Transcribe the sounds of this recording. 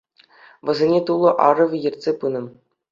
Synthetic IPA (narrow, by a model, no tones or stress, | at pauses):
ʋɤ̆zʲenʲet̪ulˠɤ̆ʔɑ̰rɤ̆ʋʲɤjɘ̆rʲtʲsʲepɯnɤ̆m